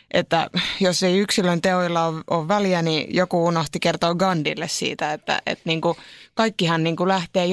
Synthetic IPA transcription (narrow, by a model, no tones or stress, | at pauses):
ʔḛt̪ːæ̰joseiyksilønt̪eoilːɑoʋoʋʋæljænijokuunoht̪ikert̪oːɡɑndilːessḭːt̪æet̪ːæ̰ḛt̪niːŋkukɑikːihɑnniːŋkulæht̪eː